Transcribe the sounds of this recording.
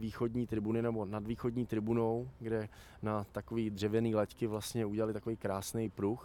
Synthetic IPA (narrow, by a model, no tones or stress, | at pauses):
viːxodɲiːt̪ɾɪbunɪnɛbo̞nadviːxo̞dɲiːt̪ɾɪbuno̞wɡdɛ | nat̪akoviːd̪r̝̥ɛvjɛniːlɛckɪvlast̪ɲɛuɟɛlalɪt̪akovejkɾaːsnɛjpɾux